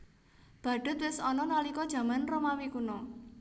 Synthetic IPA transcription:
b̥a̤ɖ̥ʊ̤t̪̚wɪsɔnɔnalikɔd̥ʒ̥ä̤manromawikunɔ

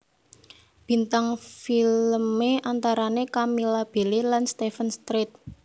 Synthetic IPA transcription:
b̥i̤nt̪aŋfilmeant̪aɾanekamilab̥e̤lelanst̪efənst̪ɾɪt̪̚

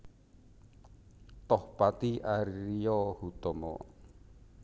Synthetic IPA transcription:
t̪ɔhpat̪iʔaɾiɾijɔhut̪ɔmɔ̰

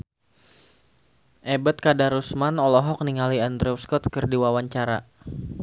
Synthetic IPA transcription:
ʔɛbət̪̚kadaɾusmanɔlɔɦɔk̚niŋaliand̪ɾɛuskɔt̪̚kərdiwawaɲt͡ʃaɾa̰

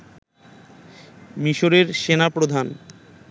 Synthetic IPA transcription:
miʃoɾeɾʃenapɾod̪ʱan

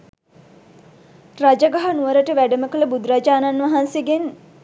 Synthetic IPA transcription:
rad͡ʒəɡaɦanuʋəɾəʈəʋæɖəməkələbud̪ɾad͡ʒaːnanʋɐɦanseɡen

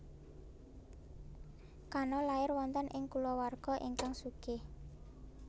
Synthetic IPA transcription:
kanɔlaɪrwɔnt̪ɔnʔɪŋkulɔwarɡ̥ɔ̤ʔiŋkaŋsukɪh

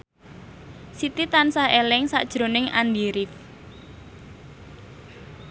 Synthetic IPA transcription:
sit̪it̪ansahelɪŋsa̰ʔd̥ʒ̥ɾo̤nɪŋa̰ndiɾɪf

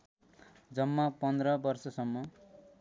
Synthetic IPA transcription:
d͡zʌmːʌpʌnd̪rʌbʌrsʌsʌmːʌ

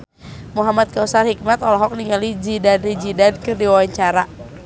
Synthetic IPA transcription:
muɦamat̪̚kausarhik̚mat̪ɔlɔɦɔk̚niŋalid͡ʒidanrid͡ʒidankɨrdiwawaɲt͡ʃaɾa

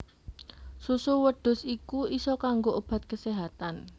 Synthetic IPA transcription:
susuwəɖ̥ʊ̤sikuisɔkaŋɡoʔob̥a̤t̪̚kəseɦat̪an

